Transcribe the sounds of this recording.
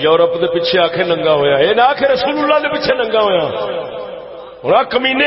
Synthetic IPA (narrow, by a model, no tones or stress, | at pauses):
jɔːɾəpd̪eːpɪt͡ʃʰeːaːkʰeːnə̃ŋɡãːɦoːjãːeːnaːkʰeːɾəsuːlʊlːaːd̪eːpɪt͡ʃʰeːnə̃ŋɡãːɦoːjãː | ɦoɾãːkəmiːne